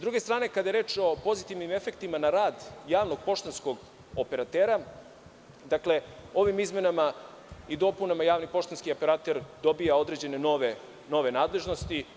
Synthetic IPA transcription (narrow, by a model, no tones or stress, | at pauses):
zd̪ɾuɡest̪ɾaːne̞kad̪ajeɾe̞ːt͡ʃo̞po̞zit̪iʋnime̞fe̞kt̪imanaɾaːd̪jaːʋno̞ɡ̚po̞ʃt̪ansko̞ɡ | ope̞ɾat̪eːɾa | d̪akle̞o̞ʋimizme̞nama | id̪o̞punamajaːʋnipo̞ʃt̪anskio̞peɾat̪e̞ɾd̪o̞bijao̞d̪ɾed͡ʑe̞ne̞no̞ʋe | no̞ʋe̞naːd̪le̞ʒno̞st̪i